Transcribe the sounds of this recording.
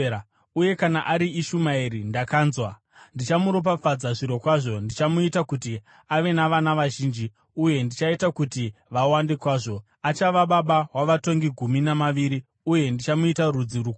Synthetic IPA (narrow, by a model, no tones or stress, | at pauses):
uje̞kanaʔaɾiiʃumaiɾindakaːnzwa | ndit͡ʃamuɾop̬afad͡zaʐiɾo̞kwaʐo̞ndit͡ʃamuitakuti | aʋe̞naʋanaʋaʒiːnd͡ʒi | uje̞ndit͡ʃaitakutiʋawandekwaːʐo̞ | at͡ʃaʋaɓaɓaɦwaʋato̞ŋɡiɡʱuminamaʋiɾi | uje̞ndit͡ʃamuitarud͡ziɾu